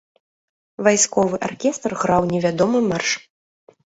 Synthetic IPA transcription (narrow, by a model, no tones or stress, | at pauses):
vajskɔvɨʔarkʲɛst̪rɣɾawnʲɛvʲad̪ɔmɨmarʂ